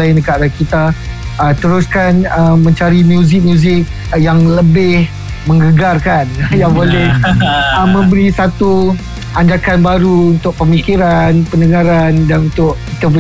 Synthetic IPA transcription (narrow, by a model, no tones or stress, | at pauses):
aɪndəkaʔɾakit̪aː | t̪əɾʊskanəmə̃ɲt͡ʃaɾimjuzɪk̚mjũzɪk̚ | jaŋləbɪh | mə̃ŋɡəɡarkanjaŋbolɛhəmːə̃mbəɾisat̪u | aɲd͡ʒakanbaɾuunt̪ʊk̚pəmikiɾanpəndəŋaɾandanunt̪ʊʔkit̪apə